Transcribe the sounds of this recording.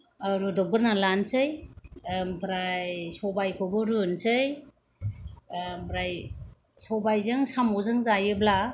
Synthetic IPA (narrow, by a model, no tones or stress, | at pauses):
ɾudɔp̚ɡɯɾnalansɯj | mpʰɾajsɔbajkʰɔbɯɾɯnsɯj | mpɾaj | sɔbajzɯŋsamɔzɯŋzajɯbla